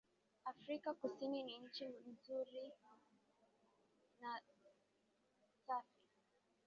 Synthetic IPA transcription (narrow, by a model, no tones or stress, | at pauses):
afɾikakusininiɲ̩t͡ʃim̩zuɾi | na | safi